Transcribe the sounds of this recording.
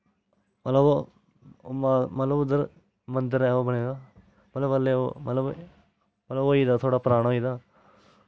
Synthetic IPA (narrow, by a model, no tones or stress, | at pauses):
mət̪ləbo | mmət̪ləbʊd̪əɾ | mənd̪əɾɛːoːbəɽ̃eːɡ̪aː | mət̪ləbəlːeːo̰mə̰t̪ləb | mət̪ləboːiːd̪aːt̪ʰoːɽaːpɾaːɽ̃aoiːd̪aː